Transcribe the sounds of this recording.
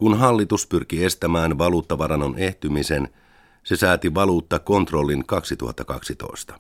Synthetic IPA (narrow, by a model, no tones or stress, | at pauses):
kunɦɑlːit̪uspyrkie̞st̪æmæːnʋɑluːt̪ːɑʋɑɾɑnːonʔe̞ht̪ymise̞n | se̞sæːt̪iʋɑluːt̪ːɑko̞nt̪ro̞lːinkɑksit̪ṵhɑ̰t̪ːɑkɑ̰ksit̪o̞̰ist̪ɑ̥